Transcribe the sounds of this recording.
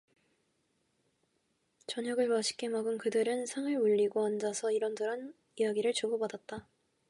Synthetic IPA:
t͡ɕʌɲʌɡɯɭpaɕʰi̥k͈e̞maɡɯnkɯdɯɾɯnsʰaŋɯɭuʎːiɡoand͡ʑasʰʌiɾʌndɯɾan | ijaɡiɾɯɭt͡ɕoɡobadat̚t͈a

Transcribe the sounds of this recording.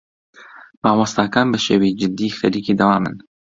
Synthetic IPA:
paːwɑst̪akanbɐʃewid͡ʒɨd̪ixɐɾiːkid̪ɐwaːmɨ̰n

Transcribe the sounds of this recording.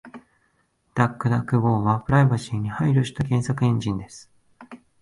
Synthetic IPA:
d̪̥akːɯ̟d̪akːɯ̟ɡo̞ːβapɯ̟ɾaibaɕĩɲ̟ːihaiɾʲoɕi̥t̪akẽ̞ɰ̃sakɯ̟ẽ̞ɲ̟d͡ʑĩnd̪e̞sɨ̥

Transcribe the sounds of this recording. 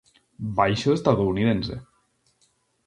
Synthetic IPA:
bajʃoest̪aðouniðensḛ

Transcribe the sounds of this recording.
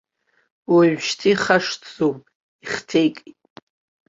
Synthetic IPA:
waɥʃtʰiχaʂd͡zowpʼ | iχtʰejkʼi

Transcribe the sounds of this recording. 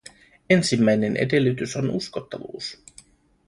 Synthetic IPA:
e̞nsimːæjne̞ne̞̰de̞lːyt̪yso̞nusko̞t̪ːɑʋṵːs

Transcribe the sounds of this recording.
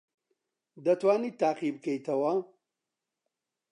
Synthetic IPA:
d̪ɐt̪waːniːt̪aːqibɨkʰejt̪ʰɐwɐ

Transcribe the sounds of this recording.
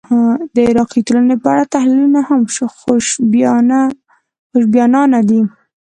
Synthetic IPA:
had̪əɪɾɑqit̪olanepəaɽat̪ahlilunahamʃoxoʃbna | xoʃ̬bjɑnɑnad̪i

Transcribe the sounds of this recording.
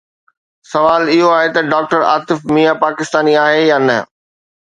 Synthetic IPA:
sɐʋaːlɪɦoaːɦet̪ɐɖaːk̚ʈəɾa̰ːt̪ɪfmijapaːkɪst̪aːniaːɦejaːnɐ̰

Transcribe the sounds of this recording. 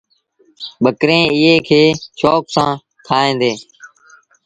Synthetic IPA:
ɓəkɾẽːɪɦeːkʰeːʃoːksãː | t̪ʰaːẽːd̪eː

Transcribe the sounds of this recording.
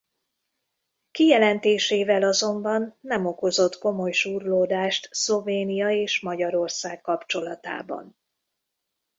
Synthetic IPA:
kijɛlɛnt̪eːʃeːvɛlɒzo̞mbɒnːɛmo̞ko̞zo̞t̪ko̞mo̞jʃuːrloːd̪aːʃt̪slo̞veːnijɒeːʃmɒɟɒɾo̞rsaːkːɒpt͡ʃo̞lɒt̪a̰ːbɒ̰n

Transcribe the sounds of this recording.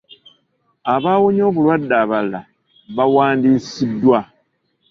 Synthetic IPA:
aβaːwoɲo̞ːβulwadːaːβala̰ | βawaːndiːsidːwa

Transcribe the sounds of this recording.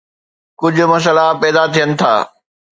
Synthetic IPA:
kʊd͡ʑʱʊ̆mɐs̬əlapɛːd̪at̪ʰijənɪ̆t̪ʰa̰ː

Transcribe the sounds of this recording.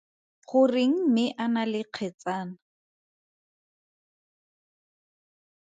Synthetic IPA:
χʊrɪŋ̩mɪʔanalɪq͡χʰɛt͡saːna

